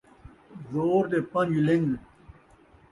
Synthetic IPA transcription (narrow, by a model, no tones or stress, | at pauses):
zoːɾd̪epɐnjiliŋɡ